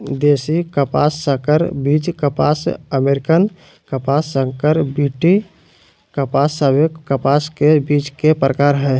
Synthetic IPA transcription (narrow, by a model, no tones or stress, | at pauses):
d̪eːsikəpa̰ːsːəkəɾbid͡ʒkəpa̰səmeɾɪkən | kəpasːəŋkəɾbiʈi | kəpasːəbjoəpaskebiːt͡ʃkepɾəkaɾɦɛ